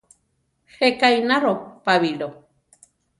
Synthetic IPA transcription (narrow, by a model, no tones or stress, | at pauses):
hekajnaɾopaβilo